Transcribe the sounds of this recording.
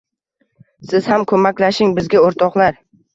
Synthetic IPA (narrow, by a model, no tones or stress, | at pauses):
sɪz̥hamkʰɵmakʲlaʃɪŋbɪzɡʲaoɾt̪ʰɒqlaɾ